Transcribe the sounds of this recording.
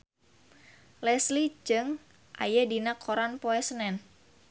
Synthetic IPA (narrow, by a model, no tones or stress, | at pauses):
lɛslid͡ʒɨŋ | ʔa̰jadinakʰoɾanpoɛsənɛn